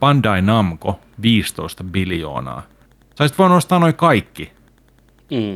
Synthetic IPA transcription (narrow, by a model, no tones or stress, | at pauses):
pɑndɑinɑmko | ʋiːst̪oist̪ɑbiljo̰ːnɑ̰ː | sɑisit̪ʋoːnost̪ɑːnoikɑikːi